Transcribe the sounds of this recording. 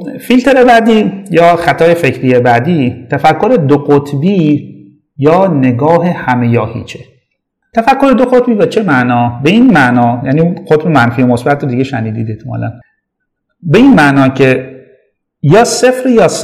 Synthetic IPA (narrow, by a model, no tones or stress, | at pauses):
filt̪ʰe̞ɾe̞bæd̪iːjɒːxæt̪ʰɒːjefe̞cʰɾiːjebæd̪iːt̪ʰæfækʰːo̞ɾe̞d̪oqot̪ʰbiː | jɒːne̞ɡɒːɦe̞hæme̞jɒːhḭːt͡ʃʰe | t̪ʰæfækʰːo̞ɾe̞d̪oɣot̪̚biːvæt͡ʃʰe̞mæʔnɒːbe̞iːnmæʔnɒːjæniqot̪be̞mænfiːemosbæt̪ʰɾod̪iɟeʃæniːd̪iːd̪et̪ʰomɒ̰læ̰n | be̞iːnmæʔnɒːcʰe̞ | jɒːse̞fɾijɒːs